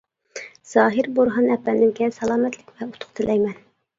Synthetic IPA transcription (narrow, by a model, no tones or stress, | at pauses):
z̥ɑːɦɨɾboɾɦɑnɛpːɛnd̪ɪnkʲʰɛsɑlˠɑːmɛt̪lɪkʲvɛut̪ʰʊ̥qt̪ʰɨlʔɛjmɛn